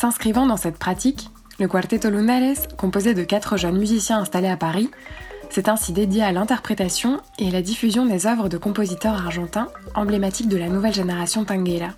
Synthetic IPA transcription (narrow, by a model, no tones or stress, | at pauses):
sɛ̃skχivɑ̃d̪ɑ̃sɛt̪pχat̪ik | ləkwaʁt̪et̪olunalɛskɔ̃pozed̪əkat̪χəʒœnmyzisjɛ̃ɛ̃st̪aleapaʁisɛt̪ɛ̃sid̪ed̪jealɛ̃t̪ɛʁpχet̪asjɔ̃ealad̪ifyzjɔ̃d̪ezœvʁəd̪əkɔ̃pozit̪œʁaʁʒɑ̃t̪ɛ̃ɑ̃blemat̪ik̚d̪əlanuvɛlʒeneʁasjɔ̃t̪ɛ̃ɡɛla